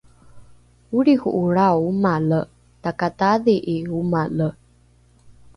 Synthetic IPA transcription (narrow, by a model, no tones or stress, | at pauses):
uɾiɣuʔuɭawumalə | takataðiʔiumalə